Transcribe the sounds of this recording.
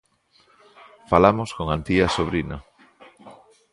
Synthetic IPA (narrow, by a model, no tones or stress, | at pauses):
falamʊskoŋant̪iasoβ̞ɾino